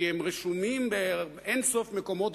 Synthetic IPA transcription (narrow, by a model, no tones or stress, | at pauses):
ihɛmʁeʃumimbe | ensofmekomot